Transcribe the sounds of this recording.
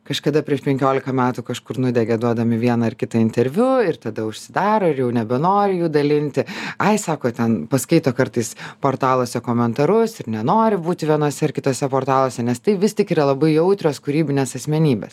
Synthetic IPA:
kɐʃkɐd̪ɐpʲɾʲiɛʃpʲɛŋʲkʲoːlʲɪkɐmʲæːt̪ukɐʃkʊɾnʊd̪ʲɛɡʲɛd̪uɔd̪ɐmʲɪʋʲiɛnɐɪrkʲɪt̪ɐɪnʲt̪ʲɛɾʲʋʲʊɪrt̪ɐd̪ɐʊʃʲsʲɪd̪ɑːɾoːɪɾjɛʊnʲɛbʲɛnoːɾʲɪjuːd̪ɐlʲɪnʲt̪ʲɪɐɪsɑːkoːt̪ʲɛnpɐskɐɪt̪oːkɐɾt̪ɐɪspoːrt̪ɑːlˠoːsʲɛkoːmʲɛnt̪ɐɾʊsɪɾnʲɛnoːɾʲɪbuːt̪ʲɪʋʲiɛnoːsʲɛɪrkʲɪt̪oːsʲɛpoːrt̪ɑːlˠoːsʲɛnʲɛst̪ɐɪʋʲɪsʲtʲɪkiːɾɐlˠɐbɐɪjɛʊt̪ʲɾʲoːskʊɾʲiːbʲɪnʲeːsɐsʲmʲɛnʲiːbʲḛs

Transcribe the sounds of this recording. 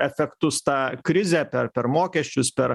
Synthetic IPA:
ɛfʲɛkt̪ʊst̪ɑːkɾʲɪzʲɛpʲɛɾpʲɛɾmoːkʲɛsʲt͡ʃʲʊspʲɛɾ

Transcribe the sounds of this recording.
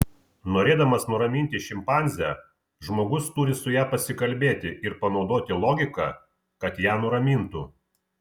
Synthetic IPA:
noːɾʲeːd̪ɐmɐsnʊɾɐmʲiːnʲt̪ʲɪʃʲɪmpɑnʲzʲæː | ʒmoːɡʊst̪uːɾʲɪsʊjæːpɐsʲɪkɐlʲbʲeːt̪ʲɪʔɪɾpɐnɒʊd̪oːt̪ʲɪlˠoːɡʲɪkɑ̰ | kɐt̪jæːnʊɾɐmʲiːnt̪uː

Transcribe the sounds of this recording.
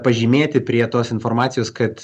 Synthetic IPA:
pɐʒʲiːmʲeːt̪ʲɪpʲɾʲiɛt̪oːsɪnfoːɾmɑːt̪sʲɪjoːskɐt̪

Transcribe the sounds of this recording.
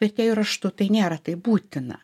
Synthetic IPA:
ɛt̪ʲtʲɛːjʊɾɐʃt̪ʊt̪ɐɪnʲeːɾɐt̪ɐɪbuːt̪ʲɪnɐ̰

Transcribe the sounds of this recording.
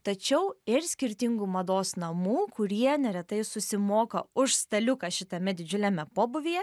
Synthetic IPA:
t̪ɐt͡ʃʲɛʊɪɾsʲkʲɪɾʲt̪ʲɪŋɡuːmɐd̪oːsnɐmuːkʊɾʲiɛnʲɛɾʲɛt̪ɐɪsʊsʲɪmoːkɐʊʃst̪ɐlʲʊkɐʃʲɪt̪ɐmʲɛd̪ʲɪd͡ʒʲʊlʲɛmʲɛpoːbʊʋʲijɛ

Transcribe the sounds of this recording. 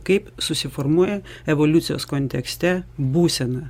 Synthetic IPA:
kɐɪpsʊsʲɪfoɾmuɔjɛ | ɛʋolʲʊt̪sʲɪjo̰ːskonʲt̪ʲɛksʲt̪ʲɛbuːsʲɛnɐ

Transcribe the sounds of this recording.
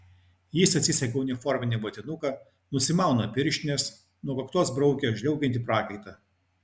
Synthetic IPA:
jɪsɐt̪ʲsʲɪsʲɐkʲɛʊnʲɪfɔɾʲmʲɪnʲɪbɐt̪ʲɪnʊkɐ | nʊsʲɪmɑˑʊnɐpʲɪɾʲʃʲnʲes | nuɔkɐkt̪uɔsbɾɔʊkʲeʒʲlʲɛʊkʲɛnt̪ʲɪpɾɑːkɐɪt̪ɐ

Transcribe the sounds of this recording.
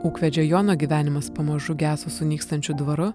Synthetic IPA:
uːkʋʲɛd͡ʒʲoːjoːnoːɡʲiːʋʲæːnʲɪmɐspɐmɐʒʊɡʲæːsosʊnʲiːkst̪ɐnʲt͡ʃʲʊd̪ʋɐɾʊ

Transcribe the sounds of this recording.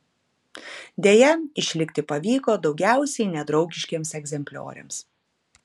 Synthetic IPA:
d̪ʲeːjɛɪʃʲlʲɪkʲt̪ʲɪpɐʋʲiːkoːd̪ɒʊɡʲæˑʊsʲɛɪnʲɛd̪ɾɒʊɡʲɪʃʲkʲeːmsɛɡʲzʲɛmʲpʲlʲo̰ːɾʲḛːms

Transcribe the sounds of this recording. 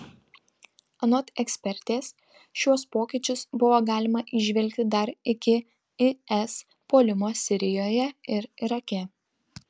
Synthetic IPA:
ɐnɔt̪ɛksʲpʲɛɾʲt̪ʲeːs | ʃʲuɔspoːkʲɪt͡ʃʲʊsbʊʋoːɡɑːlʲɪmɐʔɪʒʲʋʲɛlʲkʲt̪ʲɪd̪ɐɾɪkʲɪ | ɪɛs | poːlʲɪmoːsʲɪɾʲɪjoːjɛɪɾiɾɐkʲɛ

